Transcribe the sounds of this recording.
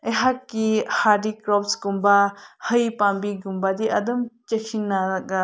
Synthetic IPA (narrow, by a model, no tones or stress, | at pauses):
eɦakːihadikɾɔpsɡumbahɐjpambiɡumbad̪iʔɐd̪ɐmt͡ʃekʰinːaɡa